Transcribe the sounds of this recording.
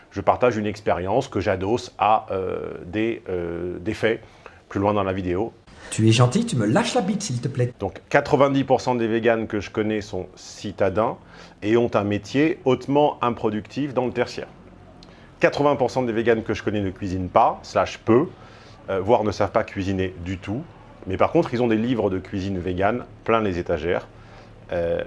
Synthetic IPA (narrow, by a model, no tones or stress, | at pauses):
ʒ̥əpaʁt̪aʒynɛkspeʁjɑ̃skəʒad̪ɔsaø̰d̪eød̪efɛ | plylwɛ̃d̪ɑ̃lavid̪eo | t̪yɛʒɑ̃t̪it̪yməlaʃlabit̪silt̪əplɛd̪ɔ̃kːat̪χəvɛ̃d̪ipuʁsɑ̃d̪eveɡankəʒəkɔnɛsɔ̃sit̪ad̪ɛ̃ | eɔ̃t̪ɛ̃met̪jeot̪mɑ̃ɛ̃pχɔd̪ykt̪ʰifd̪ɑ̃lət̪ɛʁsjɛ̰ːʁ | kat̪χəvɛ̃puʁsɑ̃d̪eveɡankəʒəkɔnɛnəkʲɥizinpasəlaʃpø | vwaʁnəsavpakʲɥizined̪yt̪u | mɛpaʁkɔ̃t̪χilzɔ̃d̪elivʁəd̪əkʲɥizinveɡanplɛ̃lezet̪aʒɛːʁ | ø